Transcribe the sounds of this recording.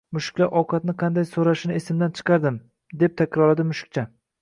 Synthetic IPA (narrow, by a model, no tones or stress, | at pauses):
mʊʃɪ̥kʲlaɾʔɒwqʰɑt̪̚nɪqʰɑnd̪ajsoɾaʃɪnɪesɪmd̪ant͡ʃʰɨ̥qʰɑɾd̪ɪm | d̪e̞p̚t̪ʰakʲʰɾɒlad̪ɪmʊʃɪ̥k̚ʲt͡ʃʰa